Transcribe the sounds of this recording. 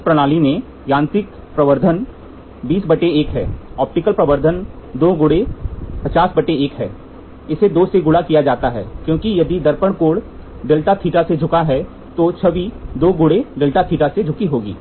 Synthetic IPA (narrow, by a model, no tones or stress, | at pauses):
ɪspɾɐɽ̃aːlinẽ | jãːnt̪ɪk̚ | pɾɐʋəɾd̪ʱən | biːsbɐʈeeːkɦɛ̰ːɔːp̚ʈɪkəlpɾɐʋəɾd̪ʱənd̪oːɡʊɽepɐt͡ʃaːsbɐʈeeːkɦɛ̰ː | ɪsed̪oːseɡʊɽakijad͡ʒaːt̪aɦɛ̰ːkjõːkijɐd̪id̪ɐɾpəɳkoːɽ | ɖɪlʈat̪ʰiːʈased͡ʒʱʊkaɦɛ | t̪ot͡ʃʰɐʋid̪oːɡʊɽeɖɪlʈat̪ʰiːʈased͡ʒʱʊkiɦoːɡḭː